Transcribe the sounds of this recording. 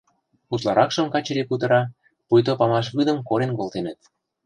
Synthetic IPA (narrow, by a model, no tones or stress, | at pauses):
put̪lɑɾɑkʃɤ̆mkɑt͡ɕĕɾiput̪ɤ̆ɾɑ | pujt̪̬opɑmɑʃ̬βyd̪ə̆mkoɾenkolt̪enə̆t̪̚